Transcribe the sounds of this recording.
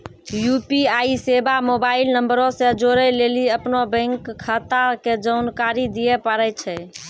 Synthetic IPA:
jupiaisebamobailnəmbəɾõsed͡ʒoɾɛleliəpnobɛ̃ŋkʰːət̪aked͡ʒənkaɾid̪ijɛpəɾɛt͡ʃʰɛ

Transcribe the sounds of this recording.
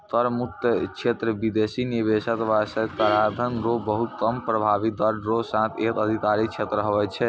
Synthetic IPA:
t̪əɾmut̪t͡ʃʰet̪ɾəbid̪esinibesət̪ʋasəkaɾad̪ʱənɾobəɦut̪ːəmpɾəbʱabid̪əɾɖɾosãt̪ʰet̪əd̪ʱit̪aɾit͡ʃʰet̪ɾəɦəʋɛt͡ʃʰɛ

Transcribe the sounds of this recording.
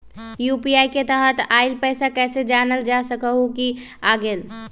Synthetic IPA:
juːpiaːiket̪əɦət̪aːɪlpɛːsakɛːsed͡ʒaːnəld͡ʒaːsəkəɦuki | aːɡel

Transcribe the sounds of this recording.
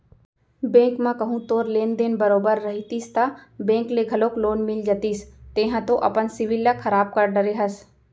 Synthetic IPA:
bẽːŋkmãkɐɦũt̪oːɾleːnd̪eːnbɐɾoːbəɾːɐɦit̪iːst̪abẽːŋkleɡʱɐloːkloːnmɪld͡ʒət̪iːst̪ẽːɦãt̪oʔɐ̰pənsɪʋɪlːɐkʰɐɾaːb̚kɐɾɖəɾeɦɐs

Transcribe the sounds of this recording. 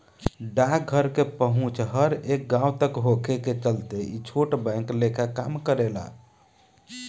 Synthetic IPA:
ɖakɡʱəɾkepəɦũt͡ʃɦəɾek̚ɡãut̪əkɦokʰeket͡ʃəlt̪eit͡ʃʰoʈbə̃ŋklekʰakamkəɾela̰

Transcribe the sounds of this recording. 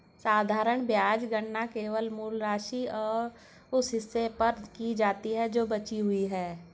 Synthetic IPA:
saːd̪ʱaːɾəɳ̃bjaːd͡ʒɡəɳːakeːʋəlmuːlɾaːʃiɔːɾ | ʊsɦɪsːepɐɾd̪kid͡ʒaːt̪iɦɛd͡ʒoːbɐt͡ʃiɦʊiɦɛː

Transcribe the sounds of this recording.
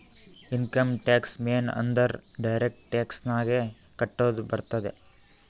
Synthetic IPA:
inkɐmʈaːksmeːnɐ̰nd̪ɐɾɖɐjɾek̚ʈʈaːksnaːɡe | kɐʈːoːd̪ubɐɾt̪ɐd̪e

